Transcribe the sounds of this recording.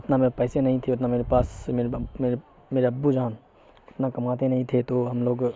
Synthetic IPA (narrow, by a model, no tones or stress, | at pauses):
ʊt̪nameːɾpɛːsenɐɦĩt̪ʰeʊt̪nameːɾepaːsmeːɾmeːɾe | meːɾeɐbːud͡ʒaːn | ɪt̪nakɐmaːt̪ẽnɐɦĩt̪ʰet̪oɦɐmloːɡ